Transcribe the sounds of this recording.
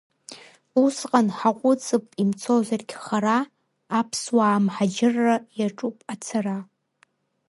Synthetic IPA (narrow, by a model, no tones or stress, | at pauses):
usqʼanħaqʷʼʊt͡sʼɨpʼimt͡sʰozarɡʲχaɾaː | pʰswaːmħad͡ʒɪrːajaʈ͡ʂʼupʼat͡sʰara